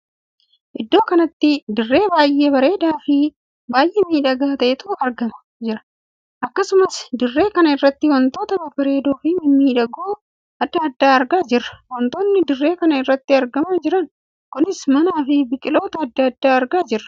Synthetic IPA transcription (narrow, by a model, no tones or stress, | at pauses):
ʔɪd̪ːo̞ːkɐnɐt̪ːɪd̪ɪrːe̞ːbaːjʔːeːbɐɾe̞ːd̪aːfɪ | baːjʔeːmiːᶑɐɡaːt̪ɐʔɛt̪ʊːʔɐɾɡɐmɐ̥ | d͡ʒɪɾɐ̥ | ʔɐkːɐsʊmɐsd̪ɪrːe̞ːkɐnɐɪrːɐt̪ːɪwɐnt̪o̞ːt̪ɐbɐbɐɾe̞ːd̪oːfɪmɪmiːᶑɐɡoː | ɐd̪ːɐːd̪ːaːɐɾɡaːd͡ʒɪrːɐ̥wɐnt̪oːnːɪd̪ɪrːe̞ːkɐnɐɪrːɐt̪ːɪɐɾɡɐmad͡ʒɪɾɐn | kʊnɪsmɐnaːfɪbɪkʼɪlo̞ːt̪ɐːd̪ːɐɐd̪ːaːɐɾɡaːd͡ʒɪrːɐ̥